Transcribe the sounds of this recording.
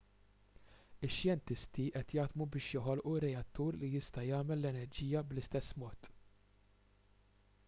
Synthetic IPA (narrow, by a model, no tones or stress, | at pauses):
ɪʃːjɛnt̪ɪst̪iʔɛt̪jɐːd̪mubɪːʃjɔħɔlʔurːɛjɐt̪ːuːɾlijɪst̪ɐjɐːmɛlːɛnɛɾd͡ʒiːjɐblɪst̪ɛsːmɔːt̪